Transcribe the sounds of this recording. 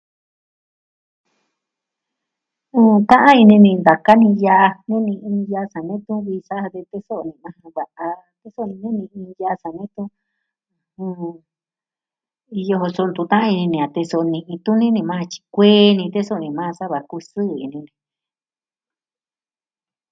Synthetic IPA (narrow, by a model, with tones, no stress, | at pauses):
ũː˦˧t̪ã˦ʔã˦i˧nĩ˧nĩ˧nd̪a˨ka˦nĩ˧ja˧ʔa˧ɲũ˦nĩ˧ĩ˧ja˧sa˨nẽ˦t̪ũ˦βi˧sa˦˧ðe˧t̪e˦so˦ʔnĩ˧mã˧hã˧βa˨˧ʔa˧ | t̪e˦so˦˧nĩ˧ɲũ˦nĩ˧ĩː˧ja˧sa˨nẽ˦t̪ũ˦˧˨ | ũ˧ | i˧jo˧ho˧so˧nd̪u˧t̪ã˦ã˦˧i˧nĩ˧nĩ˧˨ã˨t̪e˧so˧nĩ˧ʔĩ˧t̪ũ˦nĩ˦nĩ˧mã˦a˧t͡ʃi̥˧kʷeː˦nĩ˧t̪e˦so˦˨nĩ˧mã˦˧sa˦βa˧ku˧sɨ˦˨ḭ˧nĩ˧nĩ˧